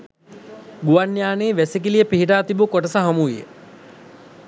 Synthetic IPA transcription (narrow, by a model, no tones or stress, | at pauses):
ɡuʋanjaːneːʋæsek̬ilijəpiɦiʈ̬aːt̪ibukoʈəsəɦamuʋijə̰